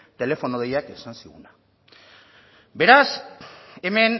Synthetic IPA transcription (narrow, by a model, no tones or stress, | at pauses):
t̪elefonoðejakesansiṵna | beɾas | emen